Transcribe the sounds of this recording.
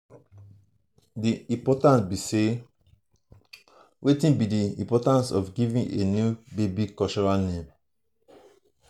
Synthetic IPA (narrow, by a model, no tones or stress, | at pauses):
diĩpɔtãnsbise | wetĩnbidiĩmpɔtãnsɔfɡivĩŋenjubebikɔlt͡ʃɔɹalnẽm